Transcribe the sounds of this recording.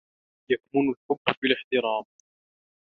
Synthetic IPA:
jakmʊnʊlkʊbːbɪlɪħt̪ɪɾɑːm

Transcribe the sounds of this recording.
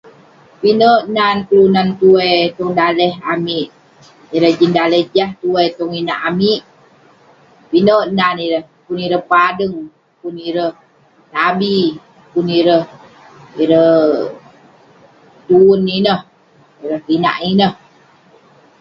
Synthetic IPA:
pinəʔnanklunant̪uejt̪ɔŋdalɛɦamiʔ | iɾəhd͡ʒindaləhd͡ʒaht̪uejt̪ɔŋinaʔamiʔ | pinəʔnaniɾəh | puniɾəhpadəŋ | puniɾəh | t̪abi | puniɾəh | iɾəh | t̪uuninəh | iɾəhpina̰ʔinəh

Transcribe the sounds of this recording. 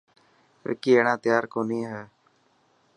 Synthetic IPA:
ɾɪ̰kiːeːɽãːt̪jaːɾkoːniːɦɛː

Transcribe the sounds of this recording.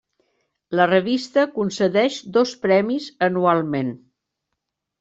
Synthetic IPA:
lərəβ̞ist̪əkunsəðɛʃd̪ospɾɛmizənualˠmen

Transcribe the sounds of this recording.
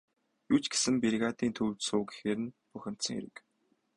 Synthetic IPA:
jut͡ɕɡe̥sɘ̆mpirɣaːt̪iːnt̪ʰɵwt̪soːɡi̥xeːɾɘ̆npuxʲɪ̆m̥t̪sə̆ŋḛɾɘ̆k

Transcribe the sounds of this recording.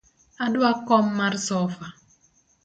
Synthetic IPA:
adwakɔmːarsɔfa

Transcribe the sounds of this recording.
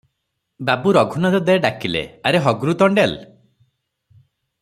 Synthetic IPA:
babuɾɔɡʱunɔɾɔd̪eɖakilḛaɾeɦɔɡɾut̪ɔɳɖel

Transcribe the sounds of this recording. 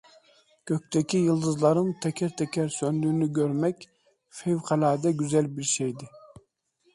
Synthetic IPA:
kʲʰøk̚ʲt̪ʰɛkʲʰijɨlˠd̪ɯzlˠɑɾɯmt̪ʰɛkʲʰɛɾt̪ʰɛkʲʰɛɾsønd̪yːnyɡʲøɾmɛkʲ | fewqʰɛlɑːd̪ɛɡʲyzɛlbiɾʃɛjd̪ɪ

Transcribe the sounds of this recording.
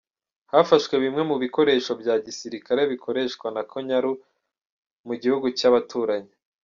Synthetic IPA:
hafaʃkwe̞βimŋe̞muβiko̞ɾe̞ːʃo̞bjaːɟisiɾikaɾe̞βikʰo̞ɾe̞ʃkwanakʰoɲaɾu | muɟihuɡucaβatuːɾaɲi

